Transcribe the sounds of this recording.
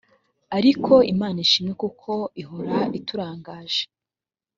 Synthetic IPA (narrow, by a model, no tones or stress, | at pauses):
aɾikʰo̞ʔimaːnaiʃimekukʰo̞iɦoɾaʔituɾaːŋɡaːʒe̥